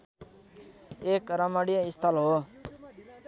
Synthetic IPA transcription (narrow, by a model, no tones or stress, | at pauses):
ekɾʌmʌɽijʌist̪ʰʌlɦo